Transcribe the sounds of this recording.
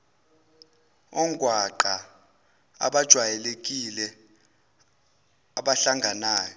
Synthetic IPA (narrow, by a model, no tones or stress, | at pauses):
ɔŋɡʱwaǃa | a̰ɓad̥ʒ̥ʱwajɛlek̬ʼilɛ | aɓaɬaŋɡʱanaːjɔ